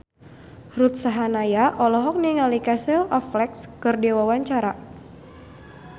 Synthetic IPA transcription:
rut̪̚saɦanajaʔɔlɔɦɔk̚niŋalikasɛlɔflɛkskɨrdiwawaɲt͡ʃaɾa

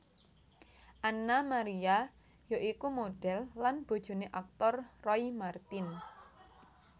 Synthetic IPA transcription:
ʔanamaɾia | joʔikumoɖ̥ɛlːanb̥o̤d̥ʒ̥o̤neʔak̚t̪ɔrːɔimart̪ɪn

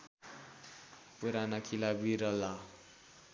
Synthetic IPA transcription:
puɾanakʰilabiɾʌla

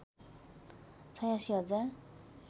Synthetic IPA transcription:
t͡sʰʌjasiɦʌd͡zar

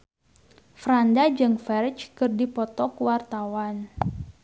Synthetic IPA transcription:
fɾandad͡ʒɨŋfɛrt͡ʃkɨrdipɔt̪ɔkuwart̪awan

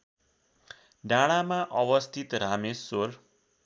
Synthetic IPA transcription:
ɖaɽ̃amaʔʌbʌst̪ʰit̪ɾamesːor

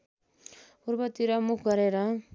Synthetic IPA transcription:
puɾbʌt̪iɾʌmukʰɡʌɾeɾʌ

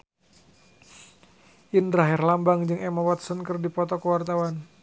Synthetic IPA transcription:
ʔindɾaɦɪrlambaŋd͡ʒɨŋɛmawat̪sɔnkɨrdipɔt̪ɔkəwart̪awan

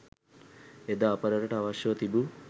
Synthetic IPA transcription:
ed̪aːpɐɾɐɾɐʈɐaʋɐʃjɐʋɐt̪ibu

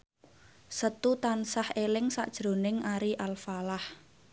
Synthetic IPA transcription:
sət̪ut̪ansahelɪŋsa̰ʔd̥ʒ̥ɾo̤nɪŋaɾiʔalfalah

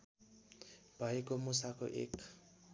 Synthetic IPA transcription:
b̥ʱaikomʊsakɔ̰ʔḛkʰ

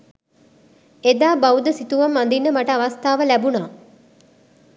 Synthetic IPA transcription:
ed̪aːbaud̪əsit̪uʋamːand̪inːəmaʈəaʋast̪aːʋəlæbunaː

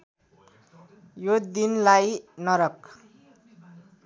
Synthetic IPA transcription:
jod̪inlajnʌɾʌk

